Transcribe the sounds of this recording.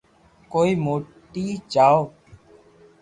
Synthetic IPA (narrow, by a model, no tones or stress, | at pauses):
koːiːmoːʈiːt͡ʃaːoː